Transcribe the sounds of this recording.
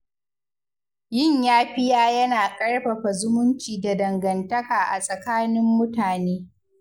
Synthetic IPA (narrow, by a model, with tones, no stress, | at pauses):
jɪ˦˨ɲjaː˦ɸɪ˦jaː˦jɐ˦naː˨kʼɐ˦ɽɸɐ˨ɸa˨zʊ˦mʊ˦nt͡ʃiː˨da˨dɐ˨ŋɡɐ˨ntɐ˦kaː˨ʔa˨sʼɐ˨kaː˦nɪ˦mːʊ˦taː˨neː˦